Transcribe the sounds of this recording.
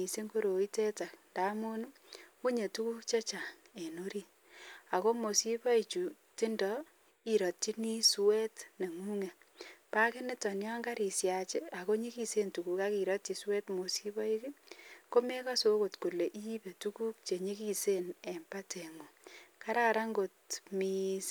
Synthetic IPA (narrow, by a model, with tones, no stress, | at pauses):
i˨se˦ŋko˦ɾo˨i˦te˦ta˨knda˨˦mu˦n˦ku˦ɲe˨tu˦ku˦kt͡ʃe˦t͡ʃa˨ | e˨no˦ɾi˦ | a˨ko˦mo˨si˦pɔ˦i˨t͡ʃu˨ | tɪ˦ndɔ˦ | i˨ɾɔ˨tt͡ʃi˦ni˦swe˦tne˨ŋu˦ŋe˨ | pa˦kɪ˦nɪ˦tɔ˨njɔ˦ŋɡa˦ɾi˨sja˨t͡ʃe˦a˨ko˦ɲi˦ki˦se˦ntu˨ku˨ka˦ki˨ɾɔ˦tt͡ʃi˨swe˦tmo˨si˦bɔ˦i˦ki˦ko˦me˦ka˦so˦ko˨tku˨le˨ʔi˦pe˨tu˦ku˦k̚t͡ʃe˨ɲi˦ki˦se˦ne˨mpa˦te˨ŋo˨ka˦ɾa˦ɾa˦ŋɡo˨tmi˨s